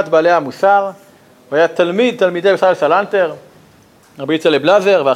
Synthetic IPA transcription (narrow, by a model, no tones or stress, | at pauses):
t̪baːlehamusaʁ | vajat̪almid̪̚t̪almid̪e̞jbesalsalanteʁ | ʁabit͡seleblazeʁvea